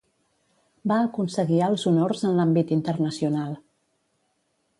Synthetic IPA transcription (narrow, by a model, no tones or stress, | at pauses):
baəkunsəɣiəlˠzunorzənlambit̪int̪ərnəsiunalˠ